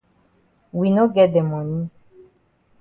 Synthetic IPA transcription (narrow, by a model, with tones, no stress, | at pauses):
wi˨no˦ɡɛ˨dɛ˨mɔ̃˨nĩ˦